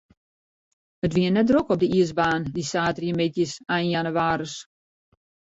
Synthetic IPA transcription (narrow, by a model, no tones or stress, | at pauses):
ətʋiənːɛt̚drokɔb̚dəiəsbaːndisaːtrjəmɪtjəsajnjanəʋaːɾəs